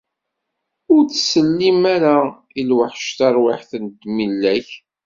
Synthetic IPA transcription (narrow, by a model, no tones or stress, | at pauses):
ʊɾt͡sːsəlːimæɾa | ilwəħʃt̪aɾwaħθənd̪milːæç